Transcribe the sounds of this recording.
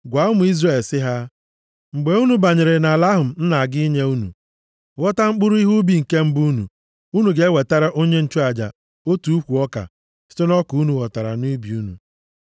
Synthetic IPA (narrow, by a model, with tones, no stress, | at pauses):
ɡʷa˨˦ʊ˦mʊ˨i˦zre˨lsɪ˦ɦa˦ | ŋ͡m̩˨ɡ͡be˨˦u˦nu˨ba˨ɲɪ˨ɾɪ˨na˨la˦ɦʊ˨m̩˨n̩˦na˨a˨ɡɪ˦i˦ɲe˦u˦nṵ˨ | ɣɔ˦ta˦ŋ͡m̩˦k͡pʊ˦ɾʊ˦i˦ɦu˦bi˦ŋ̩˨ke˦m̩˦bu˦nṵ˨ | u˦nu˨ɡe˦we˨ta˦ɾa˦ʔo˦ɲe˦n̩˦t͡ʃu˦a˨d͡ʒa̰˨ | o˦tu˨u˦kʷu˨ɔ˦ka̰˨ | sɪ̥˦to˦nɔ˦ku˨u˦nu˨ɣɔ˨ta˨ɾa̰˨nu˦bi˨u˦nṵ˨